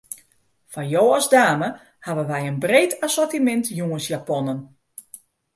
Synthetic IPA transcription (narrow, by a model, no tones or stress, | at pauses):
fajoːɔzdaːmə | haʋənʋɛjənbreːtʰasortimɛntjuənsjapɔnən